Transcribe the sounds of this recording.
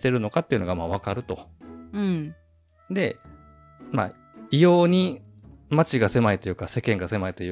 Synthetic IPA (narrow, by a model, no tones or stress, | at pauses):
t̪e̞ɾɯ̟no̞kat̪ːeiɯ̟no̞ɡamaβ̞akaɾɯ̟t̪o̞ɯ̃ɴ | d̪e̞ | ma | ijo̞ːɲ̟i | mat͡ɕiɡase̞mait̪o̞jɯ̟ːkase̞kẽŋɡase̞mait̪o̞jɯ